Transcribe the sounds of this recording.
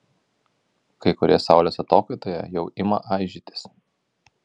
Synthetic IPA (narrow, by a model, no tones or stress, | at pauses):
kɐɪkʊɾʲeːsɑˑʊlʲoːsɐt̪oːkɐɪt̪oːjɛ̰jɛʊʔɪmɐ̰ʔɑˑɪʒʲit̪ʲɪ̥s